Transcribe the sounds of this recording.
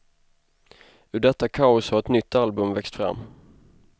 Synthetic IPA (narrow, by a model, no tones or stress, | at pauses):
ɵɖɛt̪ːakʰaʊshaɾɛt̪nʏt̪ʰːalbɵmvɛkst̪fɾa̰mː